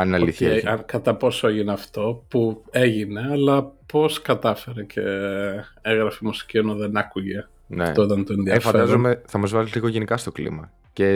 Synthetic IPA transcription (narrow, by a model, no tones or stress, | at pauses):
ɐninɐlliθkɐt̪ɐpo̞soeʝineɐft̪o̞pue̞ʝineɐlɐpo̞skɐt̪ɐfe̞ɾecʰe̞ | eɣɾɐfimusi̥ciɐnoðenɐkuʝe̞ | ɐneft̪ot̪ɐnt̪oenðiɐefɐd̪ɐzomeθɐmɐzvɐzet̪eiko̞ʝe̞nikɐst̪o̞klḭmɐ | ce